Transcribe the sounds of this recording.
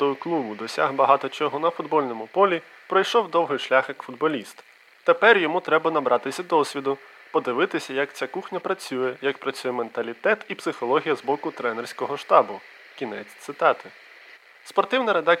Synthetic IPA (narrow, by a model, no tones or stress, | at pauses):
ɔʊklˠubʊd̪ɔsʲa̰ɦbɐɦɑt̪ɔt͡ʃɔɦɔnɐfʊd̪bɔlʲnɔmʊpɔlʲi | pɾɔjʃɔwd̪ɔwɦɪjʃlʲaxɐkfʊd̪bɔlʲist̪ | t̪epɛrjɔmut̪ɾɛbɐnɐbɾʔɑt̪ɪsʲɐd̪ɔsʲʋʲid̪ʊ | pɔd̪ɪʋɪt̪ɪsʲɐjɐkt͡sʲakuxnʲɐpɾɐt͡sʲujɛjɐkpɾɐt͡sʲujɛment̪ɐlʲit̪ɛt̪ipsɪxɔlˠɔɦʲijɐzbɔkʊt̪ɾɛnerʲsʲkɔɦɔʃt̪ɑbʊ | kʲinɛt͡sʲt̪sɪt̪ɑt̪ɪ | spɔrt̪ɪwnɪɾed̪ɑ